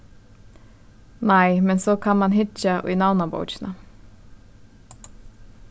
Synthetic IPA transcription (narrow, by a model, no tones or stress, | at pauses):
næɪmɛnsoːkʰɑnmɑnhɪt͡ʃəʔo̰ḭːnɑʋnɑbo̰ʊt͡ʃnə